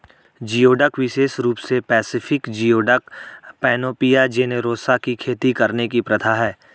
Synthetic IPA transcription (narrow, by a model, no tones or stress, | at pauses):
d͡ʒijoːɖəkʋɪʃeːsɾuːpsepɛːsɪfɪkd͡ʒijoːɖəkpɛːnoːpijad͡ʒeneɾoːsakikʰeːt̪ikɐɾnekipɾɐd̪ʰʱaɦɛː